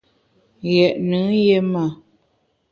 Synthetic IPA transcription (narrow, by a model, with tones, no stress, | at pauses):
ɣɛ˨ʔnɨ˨˦je˦ma˨